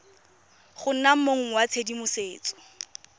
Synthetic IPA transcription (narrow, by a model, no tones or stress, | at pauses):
χʊn̩nam̩moŋ̩wat͡sʰedimʊseːt͡sɔ̥